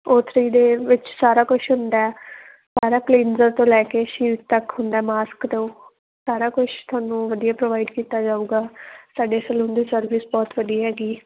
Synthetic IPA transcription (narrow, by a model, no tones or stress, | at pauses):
oːt̪ʰɾiːd̪eːʋɪt͡ʃsaːɾaːkʊt͡ʃʰɦʊ̃nd̪aːɛ | saːɾaːkliːnzəɾt̪õːlɛːkeːʃiːt̚t̪əkɦʊnd̪aɛːmaːskt̪õː | saːɾaːkʊt͡ʃʰt̪ʰʊaːnũːʋəd̪ijaːpɾoːʋaːɪɖkiːt̪aːd͡ʒaːuːɡaːsaːɖeːsəlõːnd̪iːsəɾʋisbɔːt̪ʋəd̪ijɦɛːɡiː